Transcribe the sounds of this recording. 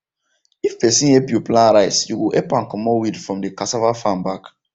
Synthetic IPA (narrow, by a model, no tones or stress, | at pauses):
ifːesĩepuplãnɾaɪsjuɡuʔepãnkɔmɔwidfɹɔ̃mdekasavafãmbak